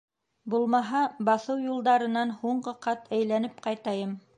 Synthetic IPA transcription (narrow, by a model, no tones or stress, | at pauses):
bulˠmɑɦɑbɑθɤwjulˠd̪ɑɾɤ̆nɑnhuɴɢɤqɑt̪ʰæjlænɘp̚qɑjt̪ɑjɤm